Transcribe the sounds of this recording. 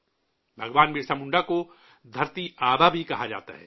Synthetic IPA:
bʱɐɡʋaːnmiɾsɐmʊ̃ɳɖako | d̪ʱɐɾt̪iaːbabʱikɐɦad͡ʒa̰ːt̪a̰ɦɛ̰ː

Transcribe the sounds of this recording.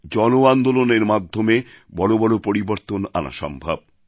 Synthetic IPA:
d͡ʑɔnoand̪oloneɾmad̪ʱːomebɔɽobɔɽopoɾiboɾt̪ona̰na̰ʃɔ̰mbʱa̰b̚

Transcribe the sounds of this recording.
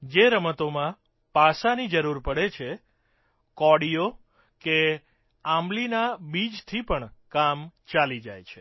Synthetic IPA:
d͡ʒeɾəmət̪omã | pasanid͡ʒəɾuɾpəɽet͡ʃʰe | kɔɽijo | ke | ãmlinabid͡ʒt̪ʰipəɳkamt͡ʃalid͡ʒa̰jt͡ʃʰe

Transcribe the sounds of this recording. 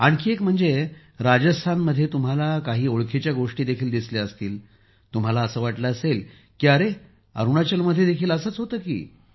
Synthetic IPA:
aɽ̃kiːekm̤əɳd͡ze | ɾad͡ʑəst̪ʰanməd̪ʱːjet̪um̤alakaɦiːoɭkʰet͡ɕjaɡoʂʈiːd̪ekʰiːld̪isleəst̪iːl | t̪um̤alaəsəːʋaʈləəsel | kiəɾe | ə̰ɾuɳ̃at͡ɕəlməd̪ʱːjed̪ekʰiːləsəːt͡sɦot̪əːkḭː

